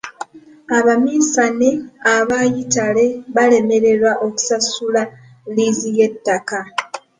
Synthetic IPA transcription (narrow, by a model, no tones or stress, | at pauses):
aβamiːsaneaβajitale̞βale̞me̞ɾe̞ɾwaʔo̞ku̥sasula | lizije̞tːaka